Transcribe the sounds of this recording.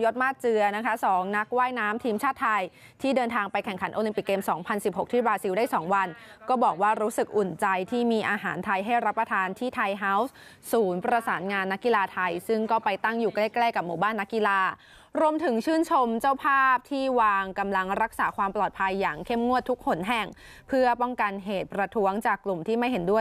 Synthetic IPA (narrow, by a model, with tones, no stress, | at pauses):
jo˦˥t̪̚maː˥˩t̪̚t͡ɕɯ˧ɐna˦˥kʰa˦˥sɔː˩˦ŋna˦˥k̚waː˥˩jnaː˦˥mt̪ʰiː˧mt͡ɕʰaː˥˩t̪ʰːa˧j | t̪ʰiː˥˩dɤː˧nt̪ʰaː˧ŋpa˧jkʰɛ˨˩ŋkʰa˩˦nʔoː˧li˧mpi˨˩kːeː˧msɔː˩˦ŋpʰa˧nsi˨˩p̚ho˨˩k̚t̪ʰi˥˩baː˧si˧wdaː˥˩jsɔː˩˦ŋwa˧nkɔː˥˩bɔː˨˩k̚waː˥˩ɾuː˦˥sɯ˨˩k̚ʔu˨˩nt͡ɕa˧jt̪ʰiː˥˩miː˧ʔaː˧ɦaː˩˦nt̪ʰa˧jɦa˥˩jɾa˦˥pːɾa˧t̪ʰaː˧nt̪ʰiː˥˩t̪ʰa˧jɦa˦˥ws | suː˩˦npɾa˧saː˩˦nŋaː˧nːa˦˥kːi˨˧laː˧t̪ʰa˧jsɯ˥˩ŋkɔː˥˩pa˧jt̪a˥˩ŋjuː˨˩kleː˥˩klɛː˥˩ka˨˩p̚muː˧˩baː˥˩nːa˦˥kːi˧laː˧ | ɾu˧əmt̪ʰɯ˨˩˦ŋt͡ɕʰɯː˥˩nt͡ɕʰo˧mt͡ɕa˥˩wpʰaː˥˩p̚t̪ʰiː˥˩waː˧ŋka˧mla˧ŋɾa˦˥k̚saː˩˦kʰwaː˧mplɔː˨˩t̪̚pʰa˧jːaː˨˩ŋkʰe˥˩mŋu˥˩ət̪ʰːu˦˥k̚ho˨˩˦nɦɛ˨˩ŋ | pʰɯ˥˩ɐpɔ˥˩ŋka˧nɦeː˨˩t̪̚pɾa˧t̪ʰu˦˥əŋt͡ɕaː˨˩kːlu˨˩mt̪ʰiː˥˩ma˥˩jɦe˩˦ndu˥˩əj